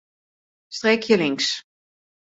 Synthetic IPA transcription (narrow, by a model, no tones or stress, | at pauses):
st̪reːkʰjəliŋs